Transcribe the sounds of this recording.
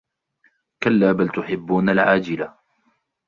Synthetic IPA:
kalːaːbalt̪ʊħɪbːuːnalʕaːd͡ʒɪla

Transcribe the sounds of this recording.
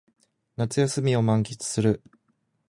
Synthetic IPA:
nat͡sɨjasɨmʲio̞mãŋkʲit͡sɨ̥sɨɾɯ̟

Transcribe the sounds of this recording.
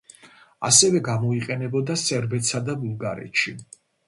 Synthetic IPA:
a̰sɛvɛɡamɔiqʼɛnɛbɔd̪asɛɾbɛt̪sad̪abulˠɡaɾɛ̰t̪ʃi

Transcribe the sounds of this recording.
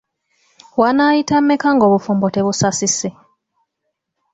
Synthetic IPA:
wanaːjitamːekaŋɡo̞ːβufuːmbo̞te̞βusasise

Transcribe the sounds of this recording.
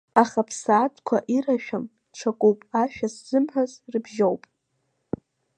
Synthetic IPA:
aχapʰsaːtʰʼkʷʰa̰ʔiraʃᶣam | ʈ͡ʂʰakʷʼowpʼaʃᶣasz̥ɨmħazrɨbʒowpʼ

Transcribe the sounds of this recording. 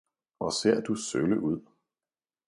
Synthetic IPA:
ɒse̝ɐ̰d̥usøləʔuð̞̰ˠ

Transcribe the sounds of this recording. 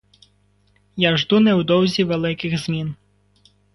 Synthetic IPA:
jaʒd̪unɛwd̪ɔwzʲiʋelˠɪkɪɣzmʲin

